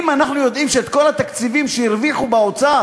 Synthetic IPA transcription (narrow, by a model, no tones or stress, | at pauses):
manaχnujo̞d̪ʔimʃeet̪ko̞lat̪akt͡sivimʃeiʁviχubeot͡sa